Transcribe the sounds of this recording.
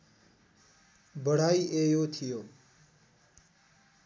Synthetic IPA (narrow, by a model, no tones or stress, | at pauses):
bəɽ̤aiʔejot̪ʰijoː